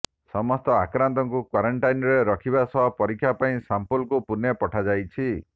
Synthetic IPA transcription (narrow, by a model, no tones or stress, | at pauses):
sɔmɔst̪ɔakɾant̪̬ɔŋkukwaɾɔɳʈajnɔɾeɾɔkʰibasɔɦɔpɔɾikʰːjapaĩsampulkupunjepɔʈʰad͡ʒajt͡ʃʰi